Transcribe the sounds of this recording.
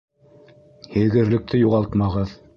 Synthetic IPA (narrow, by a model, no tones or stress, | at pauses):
hɘ̆ðɡɘ̆ɾlɘ̆k̚t̪ʰɘjuʁɑlˠt̪mɑʁɤð